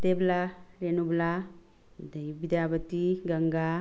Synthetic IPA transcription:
d̪eblaɾenubla | d̪əjbid̪jabət̪iɡəŋɡa

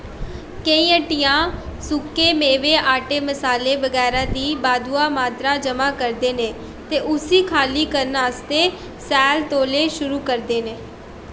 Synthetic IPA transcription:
kəĩːəʈɪjãːsʊkːeːmeːʋeːʔaːʈeːməsaːleːʋəɡɛːɾãːd̪iːbaːd̪uːaːmaːt̪ɾaːd͡ʒəmaːkəɾd̪eːneː | t̪eːʔʊsiːkʰaːliːkəɾnaːst̪eː | sɛːlt̪oːleːʃʊɾuːkəɾd̪eːneː

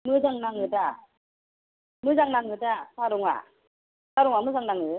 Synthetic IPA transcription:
mɯzaŋnaŋɯta | mɯzaŋnaŋɡɯtasaɾɯŋwa̰ | saɾɔŋwamɯzaŋnaŋɯ

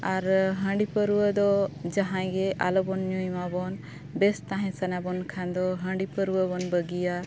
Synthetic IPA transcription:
aɾɦə̃ɳɖipəɾuəd̪ɔd͡ʒaɦãj̃ɡɛʔa̰lɔbɔnɲũjmabɔn | best̪ãɦɛ̃sənabɔnkʰand̪ɔɦə̃ɳɖipəɾuəbɔnbəɡija

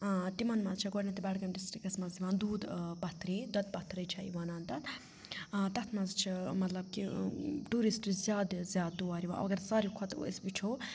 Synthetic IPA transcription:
t̪imɐnmɐzt͡ʃʰiɡonʲɐt̪ibɐɽɡɐmɖisʈɾikɐsmɐziʋaːnd̪uːd̪bɐt̪ɾiːd̪ɐt̪̚bɐt̪ɾɐjt͡ʃʰɐiʋaːnaːnt̪ɐt̪ː | t̪ɐt̪ʰmɐzt͡ʃʰimɐt̪lɐb̚kiʈuɾisʈizjaːd̪zjaːd̪ːuaːɾiʋã̰ːɐ̰ɡɐɾsaːɾikʰɔt̪ḭsbit͡ʃʰo

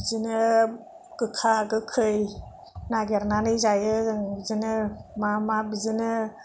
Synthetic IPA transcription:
bzɯnɯ | kɯkʰaːɡɯkʰɯj | naɡeɾnanɯjzajɯbzɯnɯmamabizɯnɯ

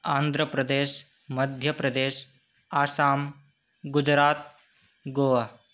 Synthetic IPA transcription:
aːnd̪ʱɾəpɾɐd̪eːʃ | mɐd̪ʱjəpɾɐd̪eːʃ | aːsaːm | ɡʊd͡ʒɾaːt̪ | ɡoːʋa

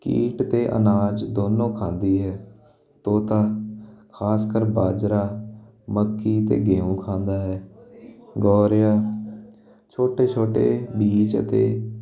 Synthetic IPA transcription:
kḭːʈt̪eːʔə̰naːd͡ʒd̪oːnõːkʰãːnd̪iːɦɛː | t̪oːt̪aːkʰaːskəɾbaːd͡ʒɾaː | məkːiːt̪ḛːɡeːũːkʰãːnd̪aːɦɛː | ɡɔːɾjaː | t͡ʃʰoːʈeːt͡ʃʰoːʈḛːbiːt͡ʃə̰t̪ḛː

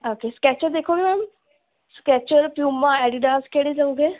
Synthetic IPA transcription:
oːkeːskɛːt͡ʃəɾd̪eːkʰoːɡeːmɛːm | skɛːt͡ʃəɾpjuːmːãːɛːɖiɖaːskeːɽeːd͡ʒaːũːɡeː

